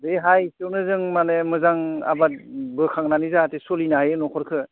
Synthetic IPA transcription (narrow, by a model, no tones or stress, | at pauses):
deɦajsɯwnɯzɯŋmanemɯzaŋa̰batbɯkʰaŋnanizaːtesolinajenɔkʰɔɾkʰɯ